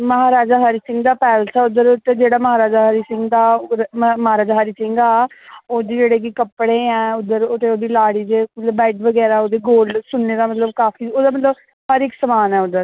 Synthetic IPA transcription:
məɦaːɾaːd͡ʒaːɦəɾiːsɪ̃ŋɡd̪aːpɛːləsɛːʊd̪əɾot̪ed͡ʒeːɽaːməɦaːɾaːd͡ʒaːɦəɾiːsɪŋɡd̪aː | məɦaːɾaːd͡ʒaːɦaːɾiːsɪ̃ŋɡaːoːd̪iːd͡ʒeːɽeːkikəpːɽeːɛːʊd̪ːəɾoːt̪eoːd̪iːlaːɽiːd͡ʒ̪eːbɛɪʈʋəɡɛːɾaːoːd̪eːɡoːlɖsʊnːeːd̪aːmət̪ləbkaːfʰiːoːd̪aːmət̪ləb | həɾɪksəmaːnɛːʊd̪əɾ

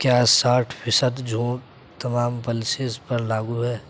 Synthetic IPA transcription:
kjaːsaːʈʰpʰɪsəd̪d͡ʒʱũː | t̪ɐmaːmpəlsespəɾlaːɡuɦɛː

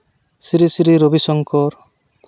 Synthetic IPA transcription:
siɾisiɾiɾobisɔŋkɔɾ

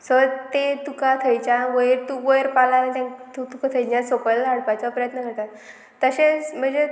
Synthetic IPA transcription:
sət̪et̪ukat̪ʰəjt͡ɕaʋəjɾt̪uʋəjɾpalait̪ãŋt̪ut̪ukʰat̪ʰəjnjasokəlaɽpat͡sapɾəjət̪nəkəɾt̪at̪ː | əɕẽm̤əɳd͡ze

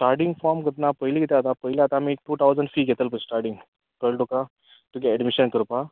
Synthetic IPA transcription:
sʈaɾʈĩŋɡfɔɾmɡət̪napəɦiliɡʱet̪jat̪ãpəɦiljaːt̪aːmiʈuːt̪ʰawd͡zəɳɖfiːɡʱɛt̪əlpə̃sʈaɾʈiŋɡ | kəɭʈoka | t̪ukeɛɖmiɕənkəɾupa

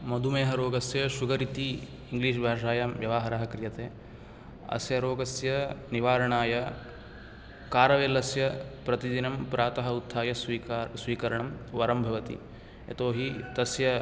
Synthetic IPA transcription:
mɐd̪ʱumeːɦɐɾoːɡɐsjɐʃuɡɐɾit̪i | iŋɡliːʃ̬bʱaːʂaːjaːmʋjɐʋaːɦɐɾaɦɐkɾijɐt̪eː | ɐ̰sjɐɾoːɡɐsjɐniʋaːɾɐɳaːjɐ | kaːɾɐʋeːlɐsjɐpɾɐt̪id̪inɐmpɾaːt̪ɐɦɐut̪ʰːaːjɐisʋiːkɐɾɐɳɐmʋɐɾɐmbʱɐʋɐt̪ḭ | ḛt̪oːɦit̪ɐsjɐ

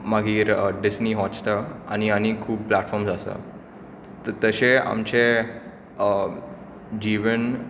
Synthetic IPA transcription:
maɡʱiːɾɖisniɦɔ̃t͡st̪əañianikʰuːp̚plaʈfɔɾmsasə̰ | t̪ət̪əɕea̰mt͡ɕe | d͡ʑiʋən

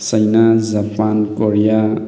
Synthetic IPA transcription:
səjnazapankoɾja

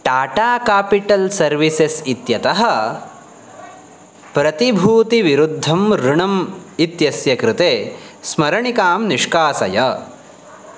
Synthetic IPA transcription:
ʈaːʈaːkaːpiʈɐlsɐɾʋisesit̪jɐt̪ɐɦɐ | pɾɐt̪ibʱuːt̪iʋiɾud̪ʱːɐmɾuɳɐmit̪jɐsjɐkɾɪt̪eːsmɐɾɐɳikaːmniʂkaːsɐ̰jɐ

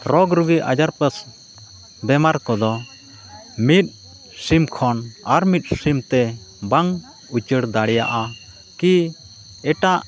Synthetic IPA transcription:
ɾɔɡɾuɡiʔa̰d͡ʒaɾpəs | bɛmaɾkɔd̪ɔ | mit̪̚ | simkʰɔnaɾmit̪̚ˀsimt̪ɛ | baŋ | ut͡ʃəɽd̪aɽɛja̰ʔa | ki | ɛʈaʔ

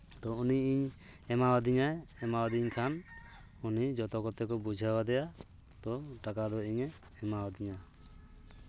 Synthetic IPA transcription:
t̪ɔuniiɲɛmawad̪iɲaɛmawad̪iɲkʰan | unid͡ʒɔt̪ɔkɔt̪ɛkɔbud͡ʒʱawad̪ɛja | t̪ɔʈakad̪ɔiɲɛː | mawad̪iɲa

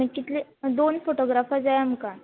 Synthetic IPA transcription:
məkit̪led̪onfoʈoɡɾafad͡zajam̤əka

